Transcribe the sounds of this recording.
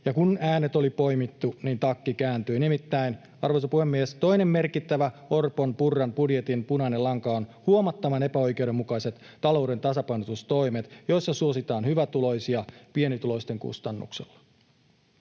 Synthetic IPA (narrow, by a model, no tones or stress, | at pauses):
jɑkunæːnet̪o̞lipo̞jmit̪ːuniːnt̪ɑkːikæːnt̪yinimit̪ːæin | ɑrʋo̞jsɑpuhemːiest̪o̞inemme̞rkit̪ːæʋæo̞rponpurːɑnpudjet̪inmpunɑnelɑŋkɑonhuomɑt̪ːɑʋɑnepæo̞jke̞uɾe̞mːukɑiset̪ːɑlo̞wde̞nt̪ɑsɑpɑjnot̪ust̪o̞jmet̪jo̞jsːɑsuosit̪ɑːnhyʋæt̪ulo̞jsiɑpie̞nit̪ulo̞ist̪e̞ŋkṵst̪ɑnːṵkselːɑ̥